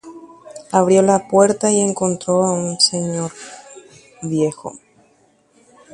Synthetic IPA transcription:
aβ̞ɾjo̞lapwe̞ɾt̪aie̞ŋko̞nt̪ɾo̞aunse̞ɲoɾ | βje̞xo̞̰

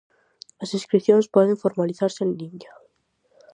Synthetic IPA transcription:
lasĩskɾiθjonespweðeɱfo̞ɾmaliθaɾseːnːiɲa

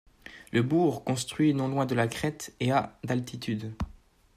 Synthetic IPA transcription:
ləbuʁkɔ̃st̪χɥinɔ̃lwɛ̃d̪əlakχɛt̪ead̪alt̪it̪yd̪

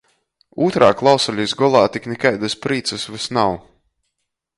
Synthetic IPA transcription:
uːt̪ɾaːklˠawsalʲisɡɔlˠaːt̪iknʲɛkajd̪aspɾiːt̪sɨsvɨsnaw

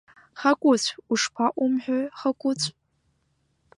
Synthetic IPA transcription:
χakʷʼʊt͡ɕʷʰuʂpʰaʔʷʼʊmħʷᶣaχakʷʼʊt͡ɕʷʰʼ

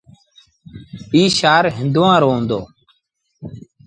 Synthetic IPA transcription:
iːʃaːɾɦɪnd̪uʋãːɾoːɦʊ̃nd̪o̰ː

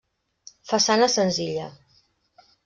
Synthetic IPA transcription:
fəsanəsənziʎə

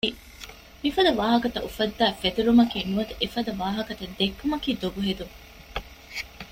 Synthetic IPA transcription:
i | mifɐd̪ɐʋaːɦɐkɐt̪ɐʔufɐd̪ːæːfet̪uɾumɐkiːnuʋɐt̪uʔefɐd̪ɐʋaːɦɐkɐt̪ɐd̪ekːumɐkiːd̪obuɦed̪uŋ

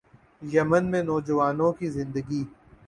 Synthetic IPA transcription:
jɐmənmẽnɔːd͡ʒɐʋaːnõkizɪ̃nd̪əɡi

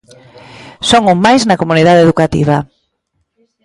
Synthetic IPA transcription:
soŋʊŋmajznɐkomuniðaðeðukat̪ḭβa

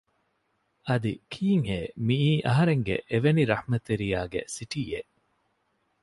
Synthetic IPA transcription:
ɐd̪ikʰiːŋɦeːmiiːʔɐɦɐɾeŋɡḛʔeʋeniɾɐhmɐt̪ːeɾijaːɡḛsiʈiḛ

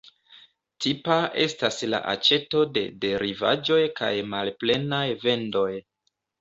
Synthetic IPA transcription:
tʰipae̞stasla̰ʔa̰t͡ʃe̞to̞de̞̰de̞ɾiva̰d͡ʒo̞jka̰jmalple̞najve̞ndo̞j

